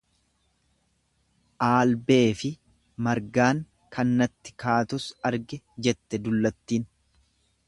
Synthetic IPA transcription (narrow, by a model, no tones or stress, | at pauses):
ʔaːlbe̞ːfɪ | mɐɾɡaːŋ | kʰɐnːɐt̪ːɪ̥kaːt̪ʊsɐɾɡɛ | d͡ʒɛt̪ːɛd̪ʊlːɐt̪ːiːn